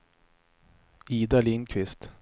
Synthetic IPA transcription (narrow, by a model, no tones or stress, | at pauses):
iːd̪aliːnkʰvɪst̪